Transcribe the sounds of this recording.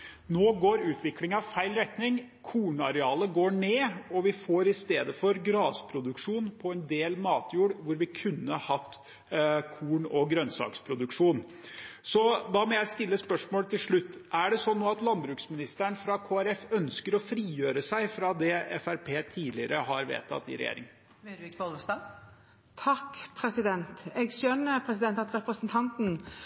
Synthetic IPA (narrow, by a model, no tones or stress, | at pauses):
noːɡoːɾʉːt̪ʰʋɪklɪŋɑʋfæɪlɾɛt̪nɪŋ | kʰuːɳɑɾɛɑːləɡoːɳeːɔʋɪfoːɾɪst̪eːd̪əfɔɾɡɾɑːspʰɾʊd̪ʉkʂuːnpʰɔɛnd̪eːlmɑːt̪ʰjuːɽʋʊɾʋɪkʰʉnːəhɑt̪ː | kʰuːɳɔɡɾœnsɑ̰ːkspʰɾʊd̪ʉkʂuːn | sɔd̪ɑmɔjæɪst̪ɪlːəspœʂmoːlət̪ʰɪlʂɭʉt̪ːʔæɖɛsɔnːoːɑt̪lɑnbɾʉːksmɪnɪst̪əɳfɾɑkʰoːæɾɛfœnskəɾɔfɾiːjøːɾəsæɪfɾɑd̪ɛɛfæɾpʰeːt̪ʰiːlɪəɾəɦɑɾʋḛːt̪ʰɑ̰t̪ːɪ̰ɾɛ̰jḛːɾɪ̰ŋə | kolsɑ | t̪ʰɑkpʰɾɛsɪd̪ɛnt̪ɛɡʃœnːəpʰɾɛsɪd̪ɛnt̪ɑt̪ɾɛpɾəsənt̪ʰɑnt̪n̩